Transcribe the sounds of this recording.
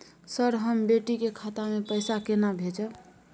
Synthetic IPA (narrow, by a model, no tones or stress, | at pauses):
səɾɦəmbeʈikekʰat̪amepəjsakenabʱed͡ʒə